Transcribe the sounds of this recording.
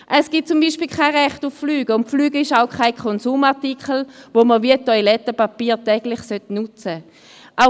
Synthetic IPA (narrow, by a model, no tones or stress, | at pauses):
ʔəsɡ̥it̚t͡sumbiːʃpiːlkʰaɪʁɛχtufflyːɡ̥əʊntflyːɡəɪʃaʊkʰaɪkʰχɔnsuːmaʁtikχəl̩ʋoməʋiətɔjlɛtəpapiːʁtɛɡ̥lɪχsøtnut͡sə | ʔa